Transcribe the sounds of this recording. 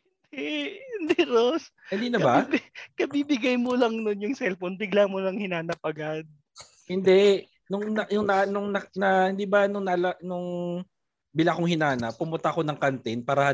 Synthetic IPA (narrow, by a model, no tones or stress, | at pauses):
hɪnd̪̥ɛhɪnd̪iɾoshɪnd̪iːnɐbabkɐbibɪɡajmolɐŋnonjʊŋsɛlfonbɪɡlamolɐŋhɪnaːnɐp̚ʔɐɡad̪̚ | hɪnd̪ɛ | nʊŋnɐjʊŋnɐnʊŋnɐnɐhɪnd̪iːbɐnʊŋnɐlɐnʊŋ | bɪlakoŋhɪnaːnɐpʊmʊnt̪ɐʔɐko̞nɐŋkɐnt̪ɪnpaːɾɐhɐ